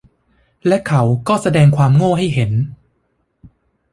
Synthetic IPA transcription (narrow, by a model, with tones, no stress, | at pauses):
lɛ˦˥kʰa˦˥wkɔː˥˩sa˧dɛː˧ŋkʰwaː˧mŋoː˥˩ɦa˥˩jɦe˩˦n